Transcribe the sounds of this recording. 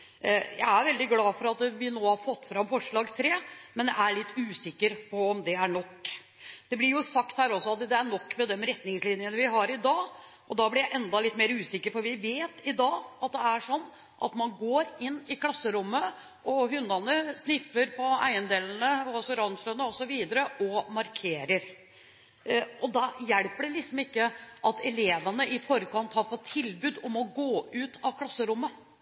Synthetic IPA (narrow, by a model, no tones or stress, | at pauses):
jæ̰ɪæɾʋɛld̪ɪɡlɑːfɔɾɑt̪ʋɪnoːhɑɾfɔt̪ːfɾɑmfɔʂɭɑːɡt̪ʰɾeːmɛnjæɪæɭɪt̪ːʉːsɪkːəɾpʰɔɔmd̪ɛæɳɔkː | d̪̥ɛblɪɾjʊsɑkt̪hæːɾɔsːɔɑt̪d̪ɛæɳɔkːmɛd̪ɛmɾɛt̪nɪŋslɪnjənəʋɪɦɑɾɪd̪ɑː | ʔɔd̪ɑːblɪɾjæɪʔɛnd̪ɑlɪt̪ːmeːɾəʉːsɪkːəɾfɔɾʋɪʋeːt̪ɪd̪ɑːɑt̪̚d̪ɛæʂɔnː | ʔɑ̰t̪mɑnɡoːɾɪnːɪkʰlɑsːəɾʊmːə | ʔɔɦʉnːɑnəsnɪfəɾpʰɔæ̰ɪənd̪eːln̩əsɔɾɑnʂlənəɔsɔʋiːd̪əɾəʔɔmɑɾkʰeːɾəɾ | ʔɔd̪ɑjɛɽpəɖ̪ɛlɪksɔmɪkːəʔɑt̪ʰɛleːʋənəʔɪfɔɾəkʰɑnt̪hɑɾfɔt̪ʰːɪlbʉːd̪ɔmɔɡoːʉːt̪ʰɑʋkʰlɑsːəɾʊmːə